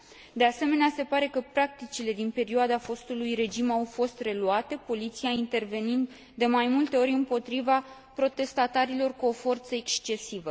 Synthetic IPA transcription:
d̪e̞ase̞me̞nease̞paɾe̞kəpɾak̚t̪it͡ʃile̞d̪inpe̞ɾioad̪afo̞st̪ulujɾe̞d͡ʒimawfo̞st̪re̞luat̪e̞po̞lit̪siaint̪e̞rve̞nind̪ | d̪e̞majmult̪e̞o̞ɾʲɨmpo̞t̪ɾiva | pɾo̞t̪e̞st̪at̪aɾilo̞rkuo̞fo̞rt̪səekst͡ʃe̞sivə

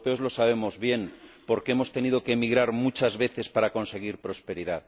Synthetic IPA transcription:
peo̞zlo̞saβ̞e̞mo̞zβje̞npo̞ɾkee̞mo̞st̪e̞niðo̞ke̞miɣɾaɾmut͡ʃazβe̞θe̞spaɾako̞nse̞ɣ̞iɾpɾo̞spe̞ɾiðað

